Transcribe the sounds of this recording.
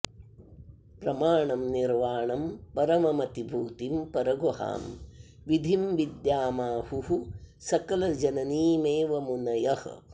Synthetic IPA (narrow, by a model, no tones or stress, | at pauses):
pɾɐmaːɳɐmniɾʋaːɳɐmpɐɾɐmɐmɐt̪ibʱuːt̪impɐɾɐɡoha̰ːm | ʋid̪ʱimʋid̪jaːmaːhuɦu | sɐkɐlɐd͡ʒɐnɐniːmeːʋɐmunɐjɐh